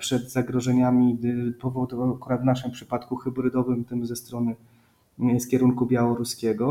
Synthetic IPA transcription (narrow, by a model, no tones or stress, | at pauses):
pʂɛd̪zaɡɾɔʐɛɲamʲipɔvɔd̪ukuɾad̪vnaʂɘmpʂɘpat̪kuxɘbɾɘd̪ɔvɘmt̪ɘmzɛst̪ɾɔnɘ | skʲɛɾuŋkubʲjawɔɾuskʲɛɡɔ